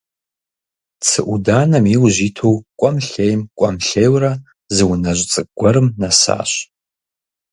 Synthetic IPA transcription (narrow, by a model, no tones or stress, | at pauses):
t͡sʰɨʔʷudaːnɐmiwʑiːtʰowkʷʼɔmɬejmkʷʼɔmɬejwrɐ | zɨwnɐʑʷt͡sʼɨɡ̥ʷɔɾɨmnɐsa̰ːɕ